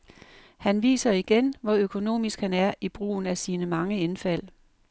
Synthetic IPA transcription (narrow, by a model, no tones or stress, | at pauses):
hænʋḭːsɐiɡ̥enʋɒ̽økʰo̝no̝̰ːmisɡ̥hænæɐib̥ʁṵːn̩æsiːnəmɑ̈ŋəe̝nfæl̰